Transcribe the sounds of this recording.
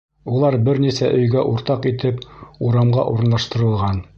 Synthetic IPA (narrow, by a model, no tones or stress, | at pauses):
ulˠɑɾbɘɾnisæʔɵ̆jɡæʔuɾt̪ɑqit̪ɘpuɾɑmʁɑʔuɾɤ̆nlˠɑʃt̪ɤ̆ɾɤ̆lˠʁɑn